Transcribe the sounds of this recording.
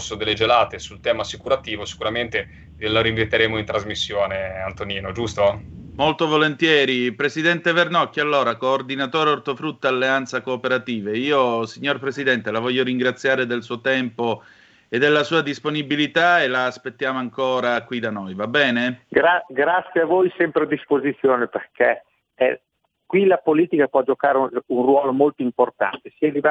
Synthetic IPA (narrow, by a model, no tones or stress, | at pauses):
sod̪elːed͡ʒelaːt̪esult̪ɛːmaːsikuɾat̪iːvosi̥kuɾament̪e | laɾiɱvet̪ːeɾeːmoint̪ɾazmisːjoːneant̪oniːnod͡ʒust̪omolt̪ovolent̪jɛːɾipɾesid̪ɛnt̪evernɔkːialːoːɾakoːrd̪inat̪oːɾeort̪ofɾut̪ːaalːeant̪sakoːpeɾat̪iːveiːosiɲːorpɾesid̪ɛnt̪elavɔʎːoɾiŋɡɾat̪sːjaːɾed̪elsuːot̪ɛmpo | ed̪ːelːasuːad̪isponibilit̪aelaːspet̪ːjaːmoaŋkoːɾakwid̪anojvabːɛːneɡɾaɡɾat̪sːjeavojsɛmpɾead̪ːispozit̪sːjoːneperkʰe | ɛ | kwilapoliːt̪ikapwɔd͡ʒokaːɾeunrwɔːlomolt̪oimport̪a̰nt̪esiɛlivɛ